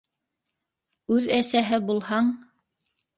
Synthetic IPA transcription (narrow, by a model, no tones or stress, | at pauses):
ʉðæsæɦɘbulˠhɑɴ